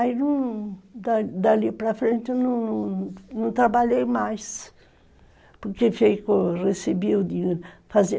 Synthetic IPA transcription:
ajnɐ̃w̃d̪ad̪alipɾɐfɾẽnt̪ɪnɐ̃w̃nɐ̃nɐ̃w̃t̪ɾabaʎejmajs | poɾkefejkoresebid̪ifazi

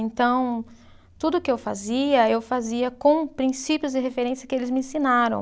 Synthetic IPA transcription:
ẽnt̪ɐ̃w̃ | t̪ud̪ʊkɪewfa̰ziɐewfaziɐkõw̃pɾĩsipjʊzd͡ʒɪɦefeɾẽsjɐkɪelɪzmɪẽsinaɾɐ̰̃w̃

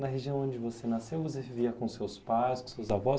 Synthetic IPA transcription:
nɐɦeʒiɐ̃w̃õd͡ʒɪvosenasewvos̬eiviɐkõʊsewspajskõsewzavɔ

